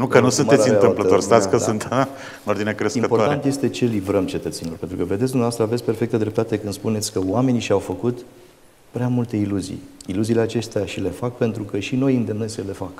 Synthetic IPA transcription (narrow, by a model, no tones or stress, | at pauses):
nukkənusunmeɨnt̪ɨpləorst̪asʲkəsunt̪ | nord̪inekɾesimətpoɾaaent̪je̞st̪e̞t͡ʃe̞livɾəmt͡ʃe̞t̪ət̪senilorpent̪ɾukəved̪ets̬ʲd̪umnaast̪ɾəavetsʲpe̞rfe̞k̚t̪əd̪ɾe̞p̚t̪at̪e̞kɨnd̪̥spune̞t̪sʲkəoame̞niʃiawfəkut̪ | pɾeamult̪e̞iluzḭjiluziːle̞at͡ʃe̞st̪eaʃile̞fak̚pe̞nt̪ɾukəʃino̞jɨnd̪e̞mnesəle̞fak